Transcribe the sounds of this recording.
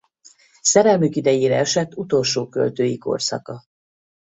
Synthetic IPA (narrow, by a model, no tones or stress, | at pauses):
sɛɾɛlmykid̪ɛjeːɾɛɛʃɛt̪ːut̪o̞lʃoːkø̰lt̪øːjiko̞̰rsɒ̰kɒ